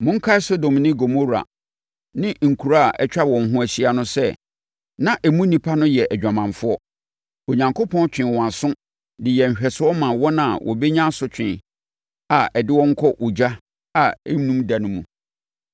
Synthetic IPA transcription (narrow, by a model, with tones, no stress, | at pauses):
mʊ̃˦ŋ̩˦kʰa˦ɛ˦so˦dõ˨mnɪ̃˦ɡo˨mo˦ɾa̰˨ | nɪ̃˦ŋ̩˨kʰu˨ɾa˦a˨ʔɛ˦t͡ɕᶣa˦wɔ̃˨n˨ɦʊ̃˦æ˨ɕi˦a˦nʊ̃˦sɛ˦ | nã˦ʔæ˨mũ˦nĩ˨pʰa˦nʊ̃˦jɛ˨ʔæ˨d͡ʑᶣã˨mã˨ɱfʊ˦ɔ˦ | o˨ɲã˨ŋkʰo˦pʰɔ̃˦nt͡ɕᶣɪ̃˨wɔ̃˨a˨sʊ̃˦ | dɪ˨jɛ˨m̩˨ɕᶣɛ˨sʊ˦ɔ˦mã˨wɔ˦nã˨wʔɔ̰˨be˦ɲã˦sʊ˦t͡ɕᶣɪ̃˨n | a˨ʔɛ˨dɪ˦wɔ̃˦ŋ̩˦kʰɔ˦ʔo˨d͡ʑa˦ | a˨e˦nũ˦mda˨nʊ̃˦mṵ̃˨